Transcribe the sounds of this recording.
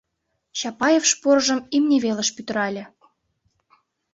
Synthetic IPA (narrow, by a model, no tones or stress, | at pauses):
ɕɑpɑjefʃporʒə̆mimnʲeβelə̆ʃpyt̪ə̆ɾɑlʲɤ̆